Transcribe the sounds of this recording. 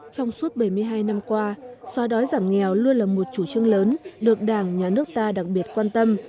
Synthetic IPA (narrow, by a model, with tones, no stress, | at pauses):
t͡ɕɔ˧wŋ͡msu˦˥t̚ɓə˧˩jmɨ˧əjɦaː˧jna˧mkwaː˧swaː˨˦ɗɔ˨˦jzaː˧˩mŋɛ˨˩wlu˧ənlaː˨˩mo˨˩t̚t͡ɕu˧˩t͡ɕɨ˧əŋləː˨˦nɗɨ˨˩ək̚ɗaː˧˩ŋɲaː˨˩nɨ˦˥ək̚t̪aː˧ɗa˨˩k̚ɓi˨˩ət̚kwaː˧nt̪ə˧m